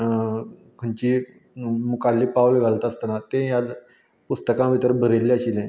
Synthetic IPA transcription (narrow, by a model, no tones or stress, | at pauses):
kʰəɳt͡ɕi | mukalːiːpawləɡʱalt̪əst̪ənat̪ẽjad͡z | pust̪əkãʋʱit̪əɾbʱəɾelːeaɕilẽ